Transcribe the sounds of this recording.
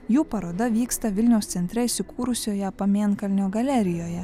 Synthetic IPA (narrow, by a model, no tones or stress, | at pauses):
juːpɐɾoːd̪ɐʋʲiːkst̪ɐʋʲɪlʲnʲɛʊst̪sʲɛnʲt̪ʲɾʲɛɪsʲɪkuːɾʊsʲoːjɛpɐmʲiɛnkɐlʲnʲoːɡɐlʲæɾʲɪjoːjɛ